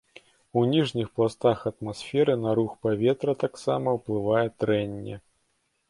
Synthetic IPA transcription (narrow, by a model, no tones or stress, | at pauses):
unʲiʐnʲixplˠast̪axɐt̪masfʲɛɾɨnɐɾuxpavʲɛt̪ɾɐt̪aksamɐwplˠɨvajɛt̪ɾɛnʲːɛ̰